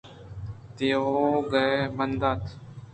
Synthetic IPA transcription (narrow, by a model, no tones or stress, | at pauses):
t̪eːɦoːɡəemənd̪aːt̪